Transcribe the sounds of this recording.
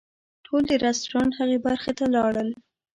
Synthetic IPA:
ʈʰold̪əɾast̪ɾɑnhaɣebaɾxet̪alɑɽəl

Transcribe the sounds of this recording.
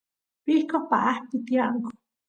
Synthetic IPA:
pihkohpa̰ʔaht̪it̪jaʔŋko̥

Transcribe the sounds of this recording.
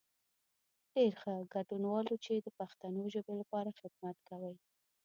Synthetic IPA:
ɖ̥eɾxəɡaɖunwɑlot͡ʃed̪əpaxt̪anoʒəbelapɑɾaxɪd̪mat̪kawəj

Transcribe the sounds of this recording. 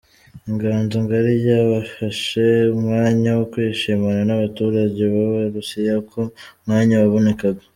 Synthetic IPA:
iŋɡaːnzoŋɡaɾijaβafaʃe̞umŋaːɲawokwiːʃimaɾanaβatuːɾaɟe̞βaβaɾusijakʰo̞mŋaːɲawaβo̞ne̞kaɡa

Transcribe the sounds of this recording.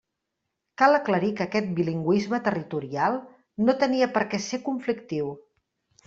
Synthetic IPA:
kalˠəkləɾikəːkɛt̪̚biliŋɡwizmət̪ərit̪uɾialˠ | not̪əniəpəɾkɛsekuɱflikt̪iw

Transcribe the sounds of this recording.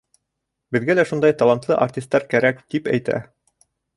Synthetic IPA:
bɘ̆ðɡælæʃund̪ɑjt̪ɑlˠɑnt̪lˠɤʔartʲist̪ːɑɾkæɾækt̪ipæ̰jt̪æ̰

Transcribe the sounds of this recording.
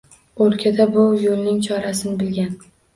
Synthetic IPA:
oɾkʲʰad̪abʊjolˠnɪŋt͡ʃʰɒɾasɪnɪbɪlɡʲan

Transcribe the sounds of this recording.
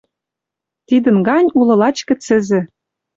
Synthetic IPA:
t̪id̪ə̆nɡɑnʲulɤ̆lɑt͡ɕkɘ̆t͡sɘ̆zɘ̆

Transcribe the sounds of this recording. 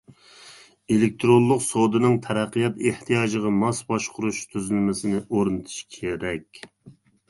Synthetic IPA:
elɪk̚ʲt̪ʰɾonlˠːʊqsowd̪ɨnɨŋt̪ʰɛɾæqːijɑt̪eht̪ʰijɑːd͡ʒəʁɑmɑsbɑʃqʰʊɾuʃt̪ʰyzɪlmɪsɪnɪʔoɾɨnɨt̪ʰu̥ʃkʲʰeɾɛkʲ

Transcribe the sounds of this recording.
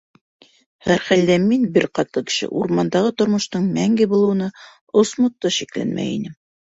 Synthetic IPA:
hæɾχæld̪æminbɘɾqɑt̪lˠɤkɘ̥̆ʃɘ̰ʔuɾmɑnd̪ɑʁɤt̪ŏɾmŏʃt̪ɤɴmæŋɡɘbulˠɤw̆nɤ | osmŏt̪ːɤʃiklæ̰nmæ̰jḭnɘm

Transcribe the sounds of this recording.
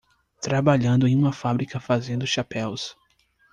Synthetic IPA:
t̪ɾabaʎɐ̃nd̪ʊẽj̃ũmɐfabɾikɐfazẽnd̪ʊʃapɛws

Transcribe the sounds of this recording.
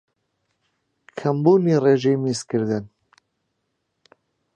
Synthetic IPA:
kʰɐmbuːnireʒeːmiskɨɾd̪ɨn

